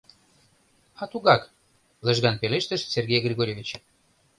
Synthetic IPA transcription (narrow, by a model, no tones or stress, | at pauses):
ɑt̪uɣɑk | lə̆ʒɣɑnpeleʃt̪ə̆ʃserɣʲejɡrʲiɣoɾʲevʲit͡ɕ